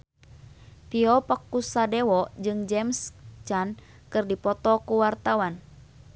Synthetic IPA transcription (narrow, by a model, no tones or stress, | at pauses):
piɔpakusadɛwɔd͡ʒɨŋd͡ʒɛmst͡ʃan | kɨrdipɔt̪ɔkuwart̪awan